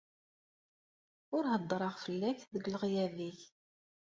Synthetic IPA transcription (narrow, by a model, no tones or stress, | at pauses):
ʊɾhəd̪ˤːɾˤɑʁfəlːæçðəɡlʁjæðiç